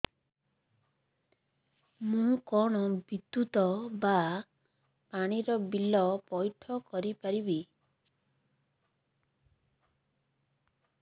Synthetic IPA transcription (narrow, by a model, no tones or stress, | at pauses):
mũkɔɽ̃ɔbid̪ut̪ɔba | paɽ̃iɾɔbilɔpɔjʈʰɔkɔɾipaɾibi